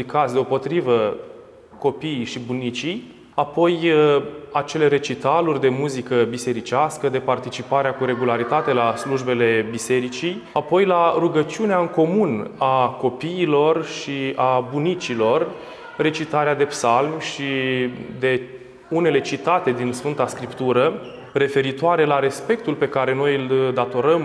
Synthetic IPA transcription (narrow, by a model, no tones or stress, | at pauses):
ikat̪sʲd̪eo̞po̞t̪ɾivə | ko̞piʃibunit͡ʃij | apo̞j | at͡ʃe̞le̞ɾe̞t͡ʃit̪alurʲd̪e̞muzikəbise̞ɾit͡ʃaskəd̪e̞part̪it͡ʃipaɾeakuɾe̞ɡulaɾit̪at̪e̞lasluʒbe̞le̞bise̞ɾit͡ʃijapo̞jlaruɡət͡ʃiuneaɨŋko̞munako̞piːlo̞rʃiabunit͡ʃilo̞r | re̞t͡ʃit̪aɾead̪e̞psalmʃid̪e̞ | une̞le̞t͡ʃit̪at̪e̞d̪insfɨnt̪askɾipt̪uɾə | re̞fe̞ɾit̪oaɾe̞laɾe̞spe̞k̚t̪ulpe̞kaɾe̞no̞jɨld̪at̪o̞ɾəm